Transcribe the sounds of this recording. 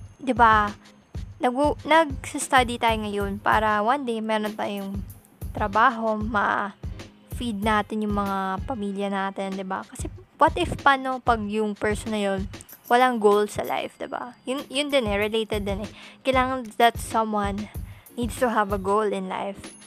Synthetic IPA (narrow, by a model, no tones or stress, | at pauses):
d̪ɪba | nɐɡunɐɡ̚sɐst̪ad̪it̪aːjoŋɐjo̞npa̰ːɾɐwɐnd̪ejmɛɾont̪aːjʊŋ | t̪ɾɐbaːɦo̞mɐ̰ | fid̪̚naːt̪ɪnjʊŋmɐŋapɐmiːljɐnaːt̪ɪnd̪ɪba̰kɐsɛwɐt̪ɪfpanopɐɡ̚jʊŋpɛɹsonɐjonwɐlaŋɡowlsɐ̰lʔa̰jfd̪ɪba̰jʊnjʊnd̪ɪnɛɹɪlejt̪ɛd̪ːɪnɛkɐjlaːŋɐnd̪at̪sɐ̃mwanːid̪st̪uɦɐvɐɡowlɪ̃nla̰jf